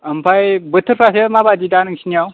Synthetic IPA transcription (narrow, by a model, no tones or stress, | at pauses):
ɐmpajbət̪ɨɾfasemabad͡ʒidanɨŋʃinaw